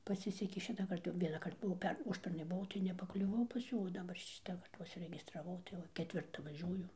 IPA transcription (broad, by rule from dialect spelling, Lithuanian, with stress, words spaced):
pɐˈsʲɪsʲɛkʲeː ˈʃʲɪtɑːkɐrt jɛʊ ʋʲiɛnɑːˈkɐrt bʊˈʋɐʊ ˈpʲɛr ˈʊʃʲpʲɛrnɐɪ bʊˈʋɐʊ tɐɪ nʲɛpɐklʲʊˈʋɐʊ pɐs ˈjuː oː dɐˈbɐr ˈʃʲɪtɐkɐrt ʋɐ ʊʃʲsʲɪrʲɛɡʲɪstrɐˈʋɐʊ tɐɪ ˈʋɐ kʲɛˈtʲʋʲɪrtɐ ʋɐˈʒʲuɔjʊ